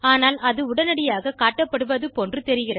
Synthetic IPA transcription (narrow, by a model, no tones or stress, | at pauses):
aːnaːlɐðɯʊɽɐnɐɽɪjaːɣɐkaːʈːɐpːɐɽɯʋɐðɯpondrɯt̪ɛɾɪɣɪrɐ